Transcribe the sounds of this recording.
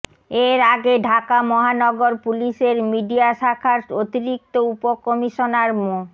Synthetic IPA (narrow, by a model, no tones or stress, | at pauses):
eɾaɡeɖʱakamɔɦanɔɡoɾpuliʃeɾmiɖiaʃakʰaɾʃot̪iɾik̚t̪oupokɔmiʃonaɾmo